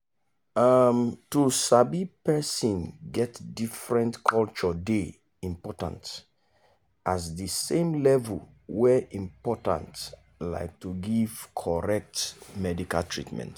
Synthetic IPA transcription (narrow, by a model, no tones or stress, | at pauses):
amtusabipɛsɔ̃nɡɛtdifɹɛ̃ntkʰɔlt͡ʃɔde | ĩmpɔtã̰nt | ʔasdəsẽmlɛvul | wɛʔĩmpɔtã̰nt | la̰ɪk̚tuɡiv̥kʰɔɹɛk̚tmɛdikaltʰɹḭtmɛ̰̃nt